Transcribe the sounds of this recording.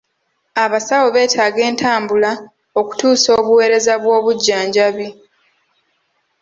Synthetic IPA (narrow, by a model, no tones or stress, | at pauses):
aβasawo̞βe̞ːtʰaːɡe̞ːntʰaːmbula | o̞ku̥tuːso̞ːβuwe̞ːɾe̞zaβwo̞ːβuɟːaːɲɟaβi